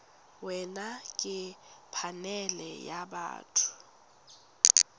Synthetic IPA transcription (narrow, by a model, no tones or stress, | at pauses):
wɛnakʼɪpʰanɛlɛjaba̰ːtʰʊ̥